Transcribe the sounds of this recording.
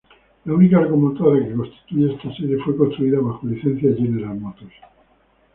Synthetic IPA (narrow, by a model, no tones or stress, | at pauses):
launikaɾɣomont̪oɾjake̞ko̞nst̪i̥t̪uʝeest̪aseɾje̞fwe̞ko̞nst̪ɾuiðaβaxoliθe̞n̟θjaʝenesaɾmot̪os